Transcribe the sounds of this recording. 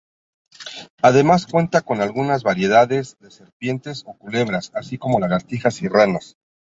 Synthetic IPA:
aðe̞maskwe̞nt̪ako̞nalɣunazβaɾje̞ðaðe̞zðe̞se̞ɾpje̞nt̪e̞so̞kule̞βɾasasiko̞mo̞laɣaɾt̪ixasiranas

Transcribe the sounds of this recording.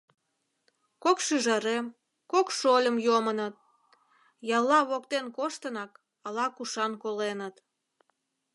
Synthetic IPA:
kokʃyʒəɾem | kokʃolʲəmjomənət̪̚ | jɑlːɑβokt̪enkoʃt̪ənɑk | ɑlɑkuʃɑnkolenət̪

